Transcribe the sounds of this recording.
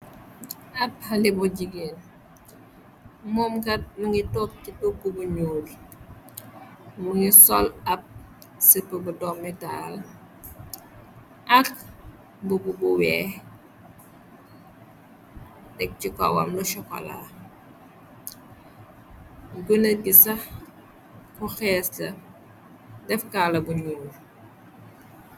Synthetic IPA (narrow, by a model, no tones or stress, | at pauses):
ɐp̚hɐlibuɟiɡin | momkɐt̚muŋitok̚citokːubuɲuːl | muŋisɔlɐp̚ | səpːəbudɔmːita̰l | ʔɐk | bububuwɛː | dɛk̚cikɔ̰wɐ̰mluʃɔkɔ̰la̰ | ɡunəɡisɐ | kuxɛslɐ | dɛfkalɐbuɲunu